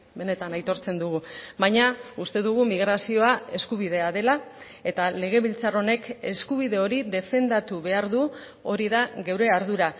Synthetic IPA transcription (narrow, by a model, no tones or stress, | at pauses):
be̞ne̞t̪anajt̪o̞ɾt͡se̞nd̪uɣuβajɲaust̪e̞ðuɣ̞umiɣɾasio̞ae̞skuβ̞iðe̞aðe̞la | e̞t̪ale̞ɣ̞e̞βilt͡saro̞ne̞ke̞skuβ̞iðe̞o̞ɾiðe̞fe̞nd̪at̪uβe̞aɾðu | o̞ɾiðaɣewɾe̞aɾðuɾa